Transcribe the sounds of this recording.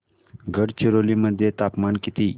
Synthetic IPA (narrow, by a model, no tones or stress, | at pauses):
ɡʱəɽt͡ɕiɾoliməd̪ʱːjet̪apmankit̪iː